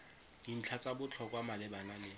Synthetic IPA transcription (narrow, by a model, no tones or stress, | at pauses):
ŋin̩t͡ɬʰat͡sʼabʊt͡ɬʰɔkwamalɪbanalɪ